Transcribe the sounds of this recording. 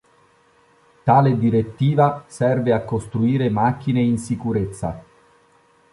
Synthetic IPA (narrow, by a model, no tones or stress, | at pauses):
t̪aːled̪iɾet̪ːiːvasɛrveakːost̪ɾuiːɾemak̟ːineinsikuɾet̪sːa̰